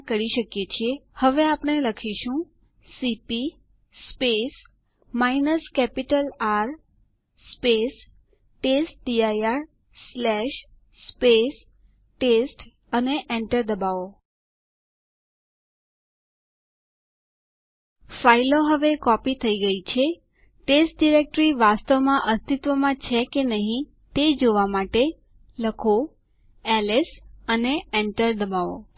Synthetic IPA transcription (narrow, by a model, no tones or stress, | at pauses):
kəɾiʃəkjet͡ʃʰiehəʋeapɳ̃eləkʰiʃũ | sipiː | pes | mainəskɛpiʈəlaɾ | spes | ʈesʈ̚ɖiajaɾ | slɛʃ | spes | ʈesʈ | əneʔɛɳʈəɾd̪əbao | failoɦəʋekɔpit̪ʰəiɡəit͡ʃʰe | ʈesʈ̚ɖiɾek̚ʈɾiʋast̪əʋmãʔəst̪it̪ʋəmãt͡ʃʰekenəɦĩ | t̪ed͡ʒoʋamaʈe | ləkʰo | ɛlesəneɛɳʈəɾd̪əbaʋo̰